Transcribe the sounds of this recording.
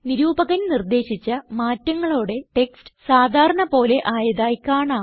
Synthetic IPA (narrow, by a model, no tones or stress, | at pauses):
niɾuːbɐɣɐnnird̪e̞ːɕit͡ɕːɐmaːtːɐŋːɐɭoːɽe̞ʈe̞kstɨ̥saːd̪ʱaːɾɐɳɐpo̞ːle̞ʔaːjɐðaːjkaːɳaː